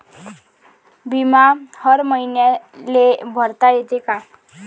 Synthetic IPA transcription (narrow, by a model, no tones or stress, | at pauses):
bimahʌɾmʌjnjalebʱʌɾt̪aet̪eka